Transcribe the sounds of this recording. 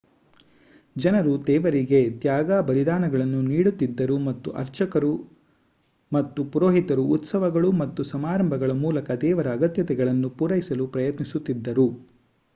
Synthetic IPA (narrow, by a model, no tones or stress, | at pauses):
d͡ʒɐnɐɾud̪ɛːʋɐɾiɡe̞t̪jaːɡaːbɐlid̪aːnɐɡɐɭɐnːuniːɽut̪ːid̪ːɐɾumɐt̪ːuʔɐ̰ɾt͡ʃɐkɐɾu | mɐt̪ːupuɾoːɦit̪ɐɾuːt̪sɐʋɐɡɐɭumɐt̪ːusɐmaːɾɐmbʱɐɡɐɭɐmuːlɐkɐd̪ɛːʋɐɾɐːɡɐt̪jɐt̪ɛɡɐɭɐnːupuɾɐjisɐlupɾɐjɐt̪nisut̪ːid̪ːɐɾu